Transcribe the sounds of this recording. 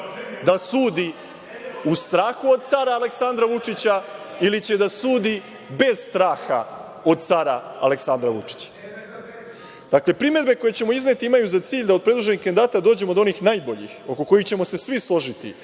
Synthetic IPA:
d̪asuːd̪i | ust̪ɾaːxuo̞d̪̚t̪saɾaːle̞ksand̪ɾaʋut͡ʂit͡ɕa | ilit͡ɕe̞d̪asuːd̪i | be̞z̥st̪ɾaːxa̰ | o̞d̪̚t̪saɾaa̰le̞ksand̪ɾaʋut͡ʂi̥t͡ɕḁ | d̪̥akle̞pɾime̞d̪be̞ko̞jet͡ɕe̞mo̞izne̞t̪iimajuzat̪siːʎd̪ao̞d̪pɾe̞d̪uʒe̞nixkanid̪aːt̪ad̪o̞ːd͡ʑe̞mod̪o̞nixnaːjbo̞ʎḭxo̞ko̞ko̞jixt͡ɕe̞mo̞se̞sʋislˠo̞ʒit̪ḭ

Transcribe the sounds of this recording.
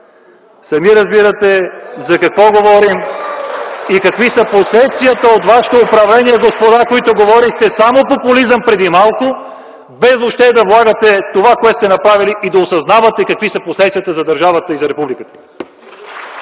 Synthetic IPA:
sɐmiɾɐzbiɾɐt̪ɛzɐkɐkvɔɡovɔɾim | ikɐkvisəposɛt̪sijət̪əot̪vaʃɛ̥t̪oːpɾɐvlɛniɛɡospod̪akoit̪oɡovɔɾixt̪ɛsamopopʊlizəmpɾɛd̪imalˠkʊ | bɛzopʃt̪ɛd̪ɐvlˠaɡət̪ɛt̪ovakoɛt̪o̥st̪ɛnɐpɾaviliʔid̪ɐosɐznavɐt̪ɛkɐkvisɐposɛt̪sʲijɐt̪əzɐd̪ɐɾʒavət̪əizɐɾɛpublikət̪ə̥

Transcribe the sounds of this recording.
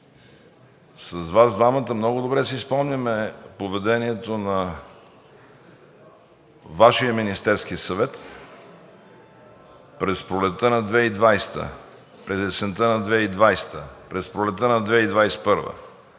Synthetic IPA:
sɐzvazd̪vamət̪əmnɔɡʊd̪obɾɛsɛispɔmnʲəmɛpovɛd̪ɛniɛt̪onɐ | vaʃijəminist̪ɛɾskisɐvɛt̪ | pɾɛspɾolɛt̪ːənɐd̪vɛid̪vajst̪ə̰ | pɾɛzɛsɛnt̪ənɐd̪vɛid̪vajst̪əpɾɛspɾolɛt̪ːənɐd̪vɛid̪vajsɛ̥pɤɾvə̰

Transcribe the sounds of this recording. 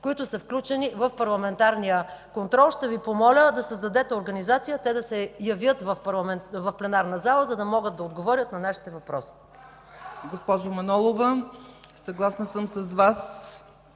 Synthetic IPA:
koit̪ʊsəfklʲut͡ʃɛnivɐfpɐɾlˠɐmɛnt̪aɾnijəkont̪ɾɔlˠʃt̪ɛvipomɔlʲəd̪ɐsəzd̪ɐd̪ɛt̪ɛoɾɡɐnizat̪sijət̪ɛd̪ɐsɛjɐvjət̪vɐfpɐɾlˠɐɛvɐfplɛnaɾnəzalˠəzɐd̪ɐmɔɡət̪̚d̪ɐod̪ɡovɔɾʲjət̪nɐnaʃi̥t̪ɛvɐpɾɔsi̥ | ɡospɔʒomɐnɔlˠovə | sɐɡlˠasnəsəmsɐzvas

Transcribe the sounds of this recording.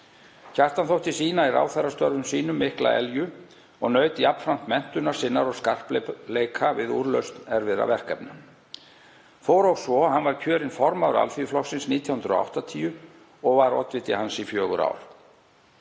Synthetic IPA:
çʰar̥t̪anθowht̪ɪsiːnaira̰ːwθɛɾast̪œɾvʏmsiːnʏmːɪhkla̰ɛ̰ljʏ | ɔɣnœːɥt̪ɪapn̥fɾam̥t̪mɛn̥t̪ʏnaɾ̥sɪnːaɾɔɣskar̥plleːjkʰavɪðuɾlœɥst̪nɛɾvɪða̰vɛr̥kɛpnʏ | fowɾowsvɔhanvaɾ̥cʰœːɾɪnfɔɾmaɾa̰lfiʏflɔsɪnsniːt̪jawhʏnɾɔ̰a̰wht̪at̪ʰiːʏ | ɔɣvaɾɔ̰t̪vɪt̪ɪhansifjœːɣʏ̰ɾa̰ːwɾ̥

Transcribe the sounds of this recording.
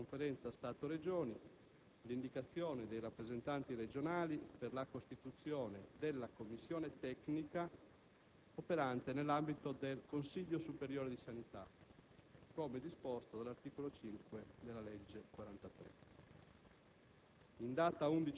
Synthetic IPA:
koɱfeɾɛnt̪sast̪aːt̪oɾed͡ʒoːni | lind̪ikat̪sːjoːned̪ejrapːɾezent̪ant̪iɾed͡ʒonaːliperlakost̪it̪ut̪sjoːned̪elːakomːisːjoːnet̪ɛknika | opeɾant̪enelːambit̪od̪elkonsiʎːosupeɾjoːɾed̪isanit̪a̰ | koːmed̪ispost̪od̪alart̪iːkolot͡ʃiŋkwed̪elːalɛd͡ʒːekwaɾant̪at̪ɾḛ | ind̪aːt̪aund̪it͡ʃ

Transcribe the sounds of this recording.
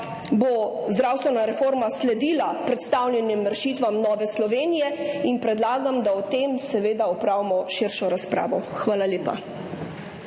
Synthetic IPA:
bozd̪ɾaːwst̪ʋɛnaɾɛfoːɾmaslɛd̪iːlapɾɛt̪st̪awlʲjɛnjɛmɾɛʃiːt̪ʋamnɔːʋɛslɔʋeːnijɛinpɾɛd̪laːɡamd̪aɔt̪emsɛʋeːd̪aɔpɾaːʋimɔʃiɾʃɔɾaspɾa̰ːʋɔxʋaːlalʲeːpa̰

